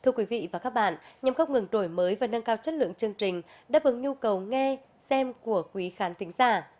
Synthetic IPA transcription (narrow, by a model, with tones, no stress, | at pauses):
t̪ʰɨ˧əkwi˨˦vḭ˧˨vaː˨˩kaː˦˥k̚ɓa̰ː˧˨nʔɲa˨˩mkə˧wŋ͡mŋɨ˨˩ŋɗo˧˩jməː˨˦jvaː˨˩nə˧ŋkaː˧wt͡ɕə˦˥t̚lɨ̰˧˨əŋt͡ɕɨ˧əŋt͡ɕï˨˩ŋ̟ | ɗa̰ː˧˥vɨ˨˩˦ŋɲu˧kə˨˩wŋɛ˧ | sɛ˧mku˧˩əkwi˨˦xaː˨˦nt̪ï˨˦ŋ̟zaː˧˩